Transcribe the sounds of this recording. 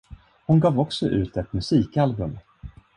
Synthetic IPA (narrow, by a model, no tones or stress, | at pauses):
hʊnɡɑːvɔksɔʔʉ̟̰ːt̪ɛt̪mɵsiːkalbɵm